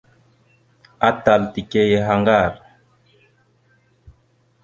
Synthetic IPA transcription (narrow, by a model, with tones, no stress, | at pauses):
a˦ta˨lti˨ke˦je˦ɦa˦ŋɡa˦˨ɾ